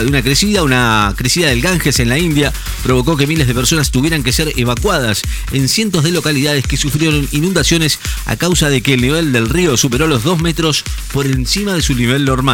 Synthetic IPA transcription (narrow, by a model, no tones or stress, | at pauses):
eunakɾesiðaunakɾesiðaðelɣaŋxese̞nlaind̪ja | pɾo̞βo̞ko̞ke̞mile̞zð̞e̞peɾso̞nast̪uβje̞ɾaŋke̞seɾeβ̞akwað̞as | ensje̞nt̪o̞zðelo̞kaliðaðeskesufɾjeɾo̞ninũnd̪asjo̞nesa̰kawsaðe̞keːlniβ̞e̞ld̪e̞lrio̞supeɾo̞lo̞zðo̞zme̞t̪ɾo̞spo̞ɾe̞nsimaðe̞suniβe̞lnoɾma